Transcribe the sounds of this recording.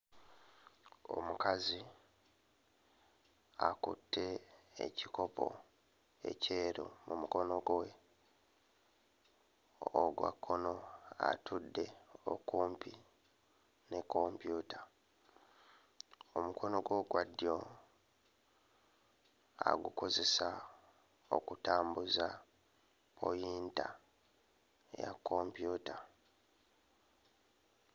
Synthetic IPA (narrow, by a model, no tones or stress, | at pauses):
o̞̰mukazi | akutːe̞ḛciko̞pʰo̞̰ | e̞̰ceːɾo̰mumuko̞no̞ɡwe | oɡwa̰kːo̞no̞a̰tʰudːe̞o̰kuːmpi | ne̞kːo̞mpjuːta | omuko̞no̞ɡwo̞ːɡwadːjo | a̰ɡuko̞ze̞sa | okutaːmbuza | pʰo̞̰jiːnta | ja̰kʰːo̞mpjuːta